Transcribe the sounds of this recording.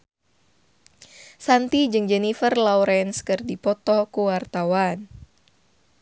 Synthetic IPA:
sant̪id͡ʒɨŋd͡ʒɛnifərlawɾɛnskɨrdipɔt̪ɔkuwart̪awan

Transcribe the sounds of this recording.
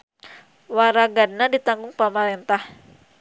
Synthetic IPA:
waɾaɡad̚nadit̪aŋɡʊŋpamaɾɛnt̪ah

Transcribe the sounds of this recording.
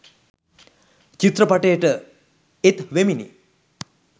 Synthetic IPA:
t͡ʃit̪ɾəpaʈejəʈə | et̪ʋeminḭ

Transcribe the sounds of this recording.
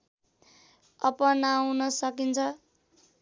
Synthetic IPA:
ʌpʌnawnʌsʌkint͡sʰʌ

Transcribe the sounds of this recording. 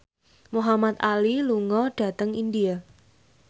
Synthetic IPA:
muɦamat̪̚aliluŋɔɖ̥a̤t̪əŋindia

